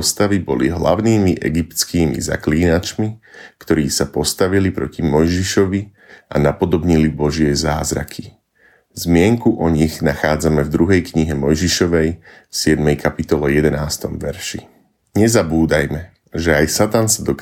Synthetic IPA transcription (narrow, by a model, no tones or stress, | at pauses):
st̪aʋibɔliɦla̰ʊniːmiʔɛɡipt̪t͡skiːmḭza̰kliːnat͡ʃmikt̪ɔɾiːsapɔst̪aʋilipɾɔcimɔjʒiʃɔʋi | ʔa̰napɔd̪ɔbɲilibɔʒɪɛza̰ːzɾa̰kʰi | zmɪɛŋkuʔɔɲiɣnaxaːd͡zamɛvd̪ɾuɦɛjkɲiɦɛmɔjʒiʃɔʋɛj | sɪɛd̪mɛjkʰapit̪ɔlɛjɛd̪ɛnaːst̪ɔmʋɛɾʃi | ɲɛzabuːd̪ajmɛ | ʒɛajsat̪ansad̪ɔk